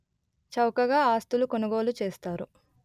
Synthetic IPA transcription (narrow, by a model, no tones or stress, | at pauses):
t͡ʃɐwkɐɡaːaːst̪ulukonɐɡo̞ːlut͡ʃeːst̪aːɾu